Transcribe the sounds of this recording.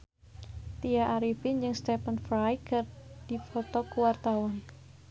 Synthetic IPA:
t̪ijaʔaɾifɪnd͡ʒɨŋst̪ɛpənfɾajkərd̥ifɔt̪ɔkuwart̪awan

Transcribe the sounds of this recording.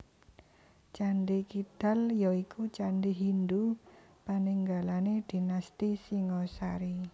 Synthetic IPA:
t͡ʃanɖikid̪̥a̤ljɔikut͡ʃanɖiɦind̪upaniŋɡalaned̪̥i̤nast̪isiŋɔsaɾi

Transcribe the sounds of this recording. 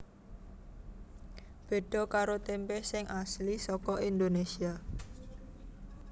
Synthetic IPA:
b̥e̤ɖ̥ɔ̤kaɾot̪empɛhsɪŋʔaslisɔkɔʔind̪onesia

